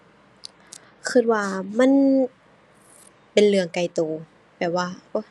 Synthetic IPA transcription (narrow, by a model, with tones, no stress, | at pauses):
kʰɯ˧˩t̪̚waː˧˩ma˧˥˨n | pe˨nlɯ˧˩əŋka˧˩jt̪oː˨˩ | bɛː˨˩p̚waː˧ʔo˧˥˩